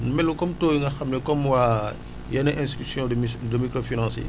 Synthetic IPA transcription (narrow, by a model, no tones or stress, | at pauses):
numɛlːukɔmtoːjuŋɡɐxamnɛkɔmwaː | jɐnɛʔɛ̃stitsjɔ̃dəmikɾofinɑ̃sḛ